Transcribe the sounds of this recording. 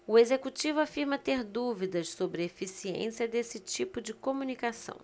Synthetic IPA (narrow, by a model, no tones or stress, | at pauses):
ʊezekut͡ʃivʊafiɾmɐt̪eɾd̪uvid̪ɐʃsobɾɪefisiḛ̃siɐd̪esɪt͡ʃipʊd͡ʒɪkõmunikasɐ̰̃w̃